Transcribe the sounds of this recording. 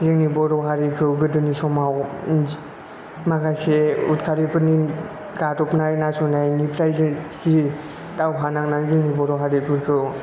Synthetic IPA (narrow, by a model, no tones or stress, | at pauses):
zɯŋnibɔɾɔɦaɾikʰɯwɡɯdɯnisɔmaw | makaseutkʰaɾipɯni | ɡatɔpnajnasɔnajnipʰɾajsi | tawɦanaŋnazɯŋnibɔɾɔɦaɾikʰɯɾkʰɯw